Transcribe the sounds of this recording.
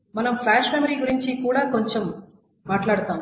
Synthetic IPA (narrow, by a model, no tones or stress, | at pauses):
mɐnɐmpʰlaːʃmemɐɾiːɡuɾiɲt͡ʃikuːɽaːkoɲt͡ʃemː | aːʈlaːɽut̪aːm